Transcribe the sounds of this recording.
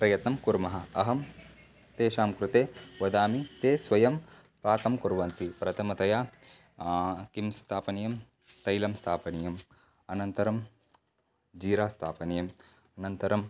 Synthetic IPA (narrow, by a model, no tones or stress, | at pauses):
pɾɐjɐt̪nɐmkuɾmɐɦɐ̆ɐɦɐm | t̪eːʃaːmkɾut̪eːʋɐd̪aːmit̪eːsʋɐjɐm | pɾaːt̪ʰɐmkuɾʋɐnt̪ipɾɐt̪ʰɐmɐt̪ɐjaː | kimst̪ʰaːpɐnijɐm | t̪ɐjlɐmst̪ʰaːpɐnijɐm | ɐnɐnt̪ɐɾɐm | d͡ʒiːɾaːst̪ʰaːpɐnijɐm | ɐnɐnt̪ɐɾɐm